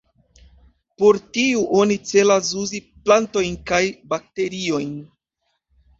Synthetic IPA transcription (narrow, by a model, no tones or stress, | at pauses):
po̞ɾtiuʔo̞nit͡se̞las̬uziplanto̞jnkajbak̚te̞ɾio̞jn